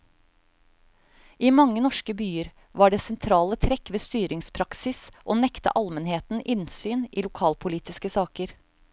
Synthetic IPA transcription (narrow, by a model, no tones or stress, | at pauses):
ʔiːmɑŋːənɔʂkəbyːəɾ | ʋɑːɖeːsɛnt̪ʰɾɑːlət̪ʰɾɛkʋeːst̪yːɾɪŋspʰɾɑksɪsʔoːnɛkt̪ə̰ʔɑlmənheːt̪n̩ʔɪnsyːnʔiːlʊkʰɑːlpʰʊliːt̪ɪskəsɑːkəɾ